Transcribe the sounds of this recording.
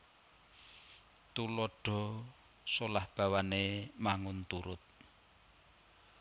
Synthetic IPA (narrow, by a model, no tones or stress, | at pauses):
t̪ulɔɖ̥ɔ̤ | solahb̥a̤wanemaŋʊnt̪uɾʊt̪̚